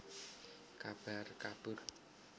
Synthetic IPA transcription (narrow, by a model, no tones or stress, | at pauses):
kab̥a̤rkab̥ʊr